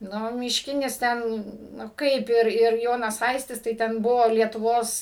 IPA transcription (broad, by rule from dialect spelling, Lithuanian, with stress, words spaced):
ˈnʊ mʲɪʃʲˈkʲɪnʲɪs ˈtʲɛn nʊ ˈkɐɪp ɪr ɪr ˈjoːnɐs ˈɐɪsʲtʲɪs tɐɪ ˈtʲɛn ˈbʊʋoː lʲiɛtʊˈʋoːs